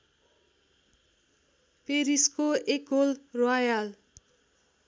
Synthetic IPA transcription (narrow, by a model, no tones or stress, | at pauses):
peɾiskoekɦolrajal